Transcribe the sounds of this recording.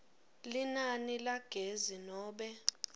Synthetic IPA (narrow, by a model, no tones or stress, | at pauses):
linanilaɡ̥ʱezinɔːɓɛ